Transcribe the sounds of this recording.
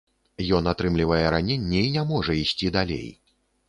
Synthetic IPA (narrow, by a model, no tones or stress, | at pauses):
jɔnat̪ɾɨmlʲivɐjɛɾanʲenʲːɛinʲɛmɔʐɐisʲt͡sʲid̪alʲḛj